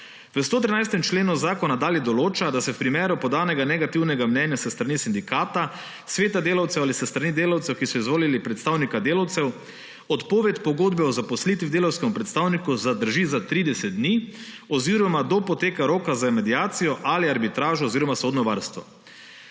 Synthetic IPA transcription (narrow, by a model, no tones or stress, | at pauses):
ʋəst̪oːt̪ɾinajst̪ɛmt͡ʃleːnuzaːkɔnad̪aːljɛd̪ɔloːt͡ʃad̪asɛwpɾimeːɾupɔd̪aːnɛɡanɛɡat̪iwnɛɡamnɛnjasəst̪ɾanisind̪ikaːt̪a | sʋeːt̪ad̪eːlawt̪sɛwalisəst̪ɾaniːd̪eːlawt̪sɛwkisɔizʋoːlilipɾɛt̪st̪aːwnikad̪eːlawt̪sɛw | ɔt̪poːʋɛt̪pɔɡoːd̪bɛɔzapɔslit̪ʋid̪eːlawskɛmupɾɛt̪st̪aːwnikuzad̪əɾʒizat̪ɾid̪ɛsɛt̪̚d̪niː | ɔziɾɔmad̪opɔt̪eːkaɾoːkazamɛd̪iaːt̪sijɔʔaliaɾbit̪ɾaːʒɔːziɾɔmasoːd̪nɔʋaɾst̪ʋɔ̰